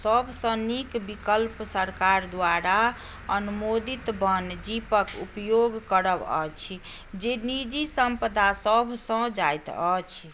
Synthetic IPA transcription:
səbʱsə̃nikbikəlpsəɾkaɾd̪waɾa | ənumod̪it̪bənd͡ʒipəkupjoɡkəɾəbə̰t͡ʃʰ | d͡ʒenid͡ʒisəmpəd̪asəbʱsə̃d͡ʒajt̪ət͡ʃʰ

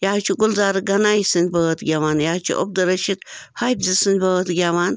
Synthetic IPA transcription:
jat͡ʃʰuɡʊlzaːɾɨɡɐnaːjisɨnʲbəət̪ɡʲaʋaːnjaːt͡ʃʰṵʔo̰b̚d̪ɐɾɐʃit̪hɐjbzisɨnʲbɐt̪ɡʲaʋaːn

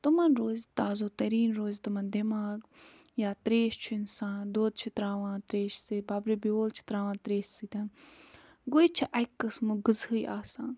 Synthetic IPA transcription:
t̪umɐnɾoːzt̪aːzoːt̪ɐɾiːnɾoːzt̪umɐnd̪emaːɡjaːt̪ɾeːʃt͡ʃʰʊɪnsãːnd̪oːd̪̚t͡ʃʰut̪ɾaːʋãːt̪ɾeːʃsɨbaːbɾibioːlt͡ʃʰi̥t̪ɾaːʋãːt̪ɾeːʃsit̪ʲɐn | ɡoːit͡ʃʰiʔɐjkːɐsmuɡɨzɦɨjʔaːsãː

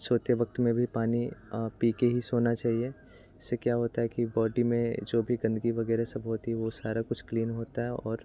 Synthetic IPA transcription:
soːt̪jəʋɐk̚t̪mẽbʱipaːnipiːkeɦisoːnat͡ʃaːɦie | ɪsːekjaːɦoːt̪aɦɛkibɔːɖimẽd͡ʒoːbʱiɡɐ̃nd̪ʱɡiʋɐɡɛːɾesɐbʱɦoːt̪iɛʋosaːɾakʊt͡ʃʰkliːnɦoːt̪aɦɛɔːɾ

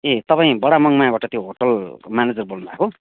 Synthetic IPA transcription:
et̪ʌpaĩbʌɽamʌŋmaãbaʈʌt̪joɦoʈʌlmaned͡zʌrbolnubʱa̰ko

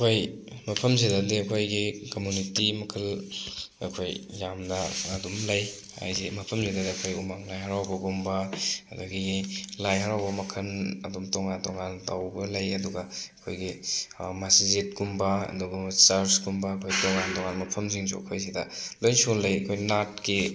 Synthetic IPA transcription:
ɐkʰoj | mɐpʰɐmzidadiɐkʰojɡikomunitimɐkʰɐl | ɐ̰kʰojːamnɐːdumlɐj | a̰jzimɐpʰɐmzidadiɐkʰojumaŋlajɦaɾawbɐɡumbɐɐ̰duɡiilajɦaɾawbɐmɐkʰɐnɐ̰dumtɔŋantɔŋantawbɐlɐjɐduɡɐɐkʰojɡimasizet̚ɡumbɐɐ̰duɡɐt͡ʃaɾsɡumbɐːkʰojtɔŋantɔŋanmɐpʰɐmziŋzṵɐ̰kʰojzidɐlojnsuŋlɐjɐkʰojnat̚ki

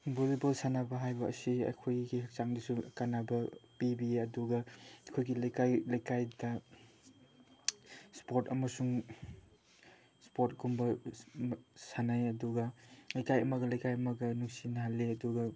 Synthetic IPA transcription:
bolibɐlsanabɐɦajbɐ̰ːsiɐ̰kʰojɡihak̚t͡ʃaŋdisukanabɐpibiɐduɡɐɐkʰojɡilajkajlajkajdɐ | spoɾtɐmɐsuŋ | spot̚ɡumbɐ | sanajɐduɡɐlajkajɐmɐɡɐlajkajɐmɐɡɐnuŋsinɦalːeɐduɡɐ

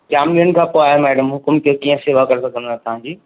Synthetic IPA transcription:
d͡ʑaːmiːɾənɪ̆kʰãːpoaːɦemɛːɖəmɦʊkmk̪eokiːə̃seːʋakɐɾesɐkə̃nd̪aːɦet̪ɐʋ̤ãd͡ʑiː

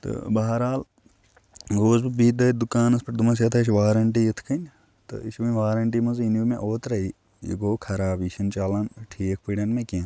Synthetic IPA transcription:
t̪ɨ̰bɐːɦɐɾaːl | ɡoːzbibiːt̪d̪ɐd̪ukaːnɐspɐʈ̚d̪umɐs̬jɐt̪ʰɐʃʋaːɾɐɳʈ̬ijit̪ʰkʰɐnʲ | t̪ɨ̰iʃʋɐnʲʋaːɾɐɳʈimɐzinjumẽʔoːt̪ɾɐi | jḭɡoːkʰɐɾaːbiʃʰɐnt͡ʃaːlɐnʈʰiːk̚ʰpiɽʲɐnmẽkẽ

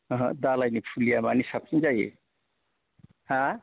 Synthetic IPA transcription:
ʌɦʌ̰̃d̪alajnipʰulijamanisap̚t͡sĩd͡zajḛ | hã

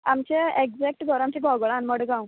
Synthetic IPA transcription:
amt͡ɕeeɡd͡zɛk̚ʈɡʱəɾamt͡ɕeɡʱɔɡɭãnməɽɡãũ

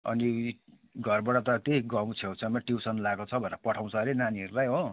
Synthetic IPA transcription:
ʌ̰ni | ɡʱʌrbaʈʌt̪ʌt̪eɡʌw̃t͡sʰjewt͡sʰʌmʌʈiwsʌnlaɡot͡sʰʌbʱʌnʌpʌʈʰaw̃t͡sʰʌɾenaniɦʌɾulajɦo

